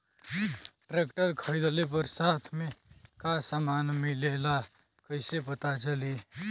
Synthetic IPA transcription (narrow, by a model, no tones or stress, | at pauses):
ʈɾekʈəɾkʰəɾid̪lep̬əɾsat̪ʰmẽkasamaːnmilela | kəɪsepət̪at͡ʃəli